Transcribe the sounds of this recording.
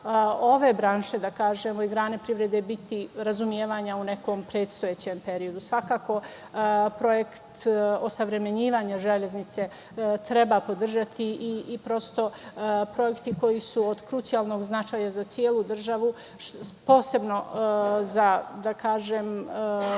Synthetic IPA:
o̞ʋe̞bɾaːnʃe̞d̪akaːʒemo̞iɡɾaːnepɾiʋɾed̪ebit̪ʰiɾazumjeːʋaːɲaune̞ko̞ːmpɾe̞ːt̪st̪o̞jet͡ɕempe̞ɾio̞d̪usʋakaːko̞ | pɾo̞jekt̪o̞saʋɾe̞me̞ɲiːʋaɲaʒele̞znit̪se̞ | t̪ɾe̞bapo̞d̪r̩ʒat̪ʰiiːpɾo̞st̪o̞pɾo̞jekt̪iko̞jisuod̪kɾut̪sijalˠno̞ɡznat͡ʃaːjazat̪sjeːlˠud̪r̩ʒaʋu | po̞ːse̞bno̞zad̪akʰaːʒem

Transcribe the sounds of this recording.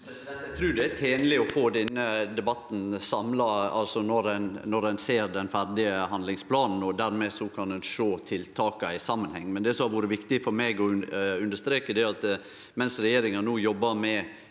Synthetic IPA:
t̪ʰɾʉːd̪ɛæɾt̪ʰeːnəlɪɔfoːd̪ɛnːəd̪ɛbɑt̪ːn̩sɑmlɑɑlsɔnɔɾænnɔɾænseːɾd̪ɛnfæɾɖɪəɦɑnlɪŋspʰlɑːnn̩ɔd̪æɾmɛsɔkʰɑnd̪ɛnʂoːt̪ʰɪlt̪ʰɑːkɑɪsɑmːənhɛ̰ŋːmɛnd̪ɛsɔmhɑɾʋuːɾəʋɪkt̪ɪfɔɾmɛɡɔʉnd̪əʂt̪ɾeːkəd̪ɛæɾɑt̪ | mɛnsɾɛjeːɾɪŋɑnuːjɔbːɑmɛ

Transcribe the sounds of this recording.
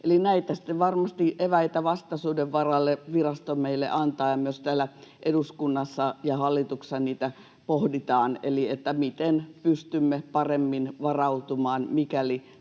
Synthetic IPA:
ʔelinæit̪æsi̥t̪ːeʋʋɑrmɑst̪iʔeʋæit̪æʋɑst̪ɑsuːdeʋʋɑrɑlːeʋirɑst̪omeilːḛʔɑnt̪ɑːjɑmyøst̪æːlæʔeduskunːɑsːɑjɑhɑlːit̪ukssɑniːt̪æ | pohdit̪ɑːnḛliet̪ːæmit̪enpyst̪ymːepɑremːinʋɑrɑut̪umɑːnmikæli

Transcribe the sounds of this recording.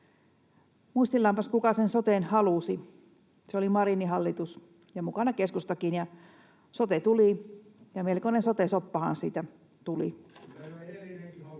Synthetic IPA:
muist̪ilːɑmpɑskukɑsensot̪enhɑlusi | seolimɑriniɦɑlːit̪us | jɑmukɑnɑkeskust̪ɑkinjɑ | sot̪et̪ulijɑmelkonensot̪esopːɑhɑ̰nsiːt̪æ | t̪ulḭ

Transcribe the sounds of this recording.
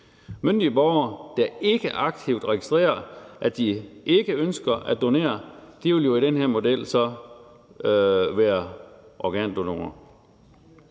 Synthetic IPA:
mønd̥iəb̥ɒʊɐd̥æe̝ɡ̥əʔɑ̈ɡ̥̚t͡sʰiʊ̰d̥ʁɛɡ̥isd̥ʁɛ̰ːɐʔæd̥iʔe̝ɡ̥əønsɡ̥ɐʔædd̥ːo̝ne̝̰ːɐd̥iʋeljo̝iɾ̥enheɐ̰mo̝del̰sɒ̽ | ʋæːɐʔɒɡ̥ɛ̰ːnd̥ono̝ŋɐ

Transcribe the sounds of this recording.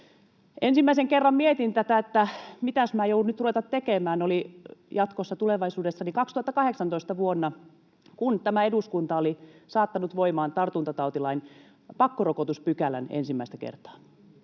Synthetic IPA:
ensimːæiseŋkerːɑmmiet̪int̪æt̪æet̪ːæmit̪æsmæːjouunyt̪ruʋet̪ɑt̪t̪ːekemæːnolijɑt̪kosːɑt̪uleʋɑisuːdesːɑnikɑkst̪uhɑt̪ːɑkɑheksɑnt̪oist̪ɑʋuonːɑ | kunt̪æmæeduskunt̪ɑolisɑːt̪ːɑnut̪ʋoimɑːnt̪ɑrt̪unt̪ɑt̪ɑut̪ilɑin | pɑkːorokot̪uspykælæ̰nḛnsimːæist̪ækḛrt̪ɑ̥ː

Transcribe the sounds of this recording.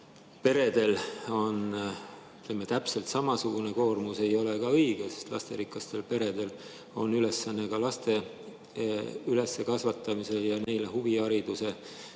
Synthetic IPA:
pe̞ɾe̞d̪̥e̞lo̞n | yt̪lemːet̪æpse̞lt̪sɑmɑsuɡ̥une̞ko̞ːrmuse̞jo̞lekɑɤjɡ̥esest̪lɑ̰st̪e̞ɾikˑːɑst̪e̞lpe̞ɾe̞d̪̥e̞l | o̞̰nyle̞sːɑnːekɑlɑst̪e̞ | yle̞sːe̞kɑsvɑt̪ːˑɑmise̞jɑne̞jle̞huviɑɾid̪̥use̞

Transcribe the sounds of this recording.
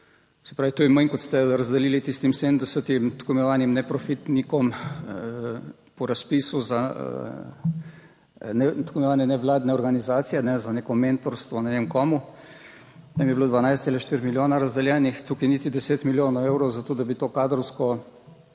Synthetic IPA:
sɛ̥pɾaːʋit̪ujɛməŋkɔt̪st̪ɛɾazd̪ɛliːlit̪ist̪imsed̪md̪ɛsət̪imt̪komɛnɔʋaːnimnɛpɾɔfit̪nikɔm | pɔɾaspiːsuza̰ | nɛt̪komnɛʋaːnɛnɛʋlaːd̪nɛɔɾɡanizaːt̪sijɛnɛzanekɔment̪ɔɾst̪ʋɔnanemkɔːmu | t̪amjɛbloːd̪ʋanajst̪elaʃt̪iɾmiljoːnaɾazd̪ɛljɛːnixt̪ukinit̪id̪ɛseːt̪miljoːnɔwewɾɔwzat̪oːd̪abit̪oːkaːd̪ɾɔwskɔ

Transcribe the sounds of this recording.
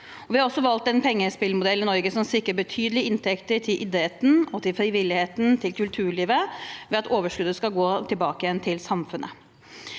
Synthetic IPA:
ɔʋɪhɑɾɔsːɔʋɑlt̪ɛnpʰɛŋːəspɪlmʊd̪ɛlːɪnɔɾɡəsɔmsɪkɾəbət̪ʰyːd̪əlɪɪnt̪ʰɛkt̪əʈʰɪlʔɪd̪əeːt̪n̩ɔt̪ʰɪlfɾɪʋɪlːɪheːt̪n̩t̪ʰɪlkʰʉlt̪ʰʉːɭiːʋəʋɛɑt̪oːʋəʂkʉd̪əskɑɡoːt̪ʰɪlbɑːkəjɛnt̪ʰɪlsɑmfʉnʔə̰

